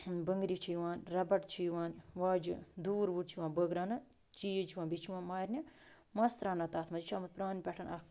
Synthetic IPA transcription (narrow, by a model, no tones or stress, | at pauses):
bəŋɡɾit͡ʃʰijiʋaːnʲɾɐbɐʈt͡ʃʰijʋaːnʋaːd͡ʒɨ̰d̪uːɾbuɾt͡ʃʰiʋaːnʲbəɡɾaːnɐ | t͡ʃijit͡ʃʰiwãːbʲit͡ʃʰiʋãːnmaːɾʲnʲi | mɐst̪ɾaːnɐt̪aːt̪ʰmɐd͡ʒit͡ʃʰaːmɐt̪̚pɾaːnʲpʲɛʈʰɐnɐk